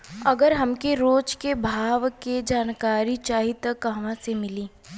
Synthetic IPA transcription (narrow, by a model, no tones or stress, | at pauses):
ɐɡəɾɦɐmkeɾoːd͡ʒkebʱaːʋked͡ʒaːnkaːɾit͡ʃaːɦit̪əkːɐɦɐʋãsemɪliː